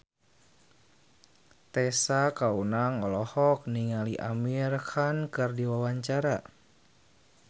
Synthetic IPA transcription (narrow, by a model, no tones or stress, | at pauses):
t̪ɛsakaunaŋɔlɔhɔk̚niŋaliʔa̰mirhankɨrdiwawaɲt͡ʃaɾa